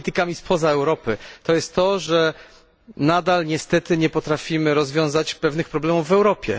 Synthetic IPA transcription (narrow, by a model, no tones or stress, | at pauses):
t̪ɘkamʲispʰɔzaɛwɾɔpɘt̪ɔjɛst̪ːɔʐɛ | nad̪alɲɛst̪ɛt̪ɘɲɛpɔt̪ɾafʲimɘɾɔzvʲjɔ̃w̃zat͡ɕpɛvnɘxpɾɔblɛmuvːɛwɾɔpʲjɛ̰